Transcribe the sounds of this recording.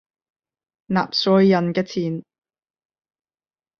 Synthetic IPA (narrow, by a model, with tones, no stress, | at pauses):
na̰ː˨p̚sɔː˨˥jɐ˨nkɛː˧t͡sʰiː˨˩n